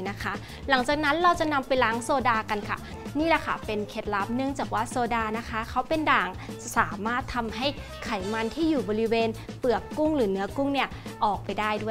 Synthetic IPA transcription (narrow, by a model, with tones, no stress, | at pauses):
na˦˥kʰa˦˥ | la˩˦ŋt͡ɕaː˨˩k̚na˦˥nɾa˧wt͡ɕa˨˩na˧mpa˧jlaː˦˥ŋsoː˧daː˧ka˧nkʰa̰˥˩ | niː˥˩lɛ˧˩kʰa̰˦˩pe˧nkʰe˦˥t̪̚la˦˥p̚nɯ˥˩əŋt͡ɕaː˨˩k̚waː˥˩soː˧daː˧na˦˥kʰa˦˥kʰa˦˥wpe˧ndaː˨˩ŋ˨saː˩˦maː˥˩t̪ʰːa˧mɦa˥˩j | kʰa˩˦jma˧nt̪ʰiː˥˩juː˨˩bɔː˧ɾi˦˥weː˧n | pɯ˨˩əkːu˥˩ŋɾɯː˩˦nɯ˦˥ɐku˥˩ŋni˥˩ɐʔɔː˨˩k̚pa˧jdaː˥˩jdu˥˩ə˨